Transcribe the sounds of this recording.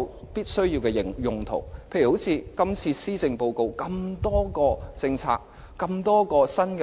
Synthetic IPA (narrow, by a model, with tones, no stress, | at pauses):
w | piː˥t̚sɵ˥ɥjiː˧wkɛ˧˨˩jʊ˨ŋt̪ʰʊ̰˨˩ŋpʰe˧jy˨˩ho˨˥wt͡sʰiː˨˧kɐ˥mt͡sʰiː˧siː˥t͡sɪ˧ŋpo˨˧wko˨˧wkɐ˧mt̪ɔː˥kɔː˧t͡sɪ˧ŋt͡sʰa̰ː˧k̚ | kɐ˧mt̪ɔː˥kɔː˧sɐ˥nkɛ